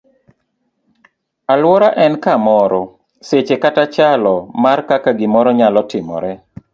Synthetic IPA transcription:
alwɔɾaʔɛnkamɔɾɔ | set͡ʃekatat͡ʃalɔmarkakaɡɪmɔɾɔɲalɔtɪmɔ̰ɾɛ

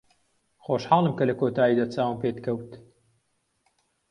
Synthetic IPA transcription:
xoːʃħɑːlˠɨmkɐlɐkoːt̪ʰaːid̪aːt͡saːwɨmpeːt̪kʰɐwt̪

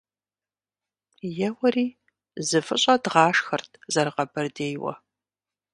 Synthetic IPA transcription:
jɛwɐriː | zɨfɨɕʼɐdʁɑːʂxɐrtʰzɐɾɨqɐbɐrdeːjwɐ̰

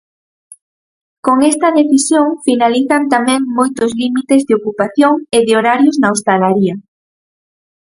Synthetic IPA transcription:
koŋɛst̪ɐðeθisjoŋfinaliθɐnt̪amɛ̃ŋmojt̪ʊzlimit̪ezðɪokupaθjoŋeðɪoɾaɾjoznaost̪alaɾiɐ

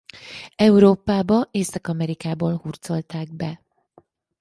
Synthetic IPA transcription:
ɛuɾoːpaːbɒʔeːsɒkɒmɛɾikaːboːlhuːrt̪so̞lt̪aːɡ̚bɛ

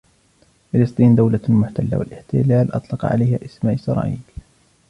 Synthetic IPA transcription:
fɪlɨst̪ˤiːnd̪awlamʊħt̪alːa̰wa̰lʔɪħt̪ɪ̰laːlʔɑ̰t̪ˤlɑqɑ̰ʕa̰lajhaːʔɪsmaːʔsɑɾˤɑ̰ːʔiːl

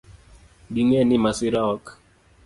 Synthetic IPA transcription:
ɗiŋɛnimasiɾaɔk

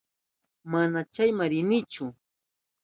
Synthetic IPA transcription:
manat͡ʃajmaɾɪnɪt͡ʃʊ

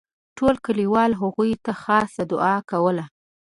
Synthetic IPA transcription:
ʈolkəliwɑlɦaɣujt̪axɑsad̪ʊɑkawəla

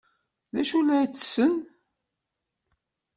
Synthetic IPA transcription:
læʃulæt͡sːə̥sːən

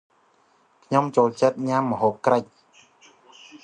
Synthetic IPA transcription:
kʰɲomt͡ɕoːlt͡ɕət̪̚ɲamːə̆ɦoːp̚krəc̚

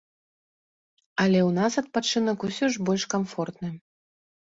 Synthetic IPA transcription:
ɐlʲɛwnasɐt̪̚pat͡ʂɨnɐkusʲɔʐbɔlʲʂkamfɔrt̪nɨ

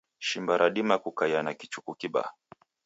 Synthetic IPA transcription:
ʃimbaɾʔaɗimakukajanakit͡ʃukukiɓa̰

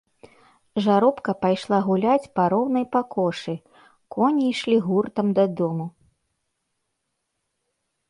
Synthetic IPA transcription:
ʐaɾɔpkɐpajʂlˠaɣulʲat͡sʲpɐɾɔwnɐjpakʰɔʂɨ | kɔnʲijʂlʲiɣurt̪ɐmd̪ɐd̪ɔmu

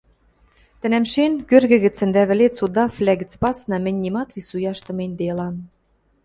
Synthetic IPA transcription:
t̪ɘ̆næmʃenkørɣɘ̆ɣɘ̆t͡sɘ̆nd̪æβɘ̆let͡sud̪ɑflʲæɣɘ̆t͡spɑsnɑmɘ̆nʲːimɑt̪ɾisujɑʃt̪ɤ̆menʲd̪elɑn

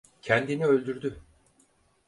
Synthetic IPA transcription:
cʰɛnd̪iniø̞lʲd̪yɾd̪y

